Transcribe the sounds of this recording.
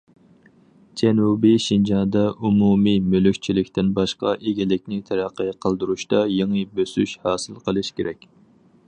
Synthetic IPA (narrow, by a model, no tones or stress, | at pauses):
d͡ʒɛnubiʃind͡ʒɑnd̪ɑʔumumimølykʲt͡ʃʰilɪkʲt̪ɪnbɑʃqɑʔeɡʲilɪkʲnɪt̪ʰɛɾæqːəqʰəlˠd̪uɾuʃt̪ɑjeŋəbøsy̰ʃhɑːsɨlˠqʰəlˠɨʃkʲeɾɛkʲ